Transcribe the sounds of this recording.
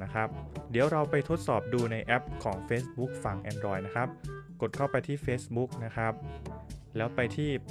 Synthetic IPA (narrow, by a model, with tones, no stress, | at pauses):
a˦˥kʰɾa˦˥p̚di˩˦əwɾa˧wpa˧jt̪ʰo˦˥t̪̚sɔː˨˩p̚duː˧na˧jʔɛ˦˥p̚kʰɔː˩˦ŋfeː˦˥sbu˦˥k̚fa˨˩ŋʔɛː˧ndɾɔː˧jna˦˥kʰa˦˥p̚ko˨˩t̪̚kʰa˥˩wpa˧jt̪ʰiː˥˩feː˦˥sbu˦˥k̚na˦˥kʰɾa˦˥p̚lɛː˦˥wpa˧jt̪ʰiː˥˩